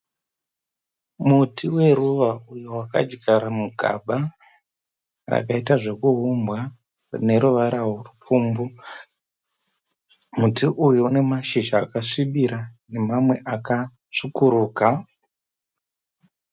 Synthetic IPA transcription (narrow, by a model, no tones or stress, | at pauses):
mutʰiwe̞ɾuʋaujowaka̰d͡ʒɡaɾamuɡʱa̰ɓa | ra̰kaitaʐe̞kuɦumbwa | rne̞ɾuʋaɾaworupuːmbu | mutiʔujuune̞maʃiʒaːkaʂiɓiɾane̞mamwe̞ʔaka | ʂukuɾuːka